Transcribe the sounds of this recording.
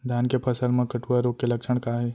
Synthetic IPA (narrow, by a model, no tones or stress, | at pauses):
d̪ʱjaːnkepʰɐsəlmẽkɐʈuaɾokelɐkʃəɽ̃kaːɦe